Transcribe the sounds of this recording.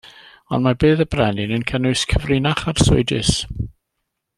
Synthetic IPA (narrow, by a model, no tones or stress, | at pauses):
ɔ̰nmabeːðəbrɛnɪnənkʰənʊɨskʰəvrɪnaχarsʊ̰ɨdɪ̰s